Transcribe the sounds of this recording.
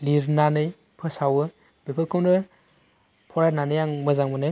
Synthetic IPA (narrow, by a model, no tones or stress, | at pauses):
liɾnanɯj | pʰɯsawɯ | bepʰɯlkʰowndɯ | pʰɔɾananɯjaŋmɯzaŋmɯnɯj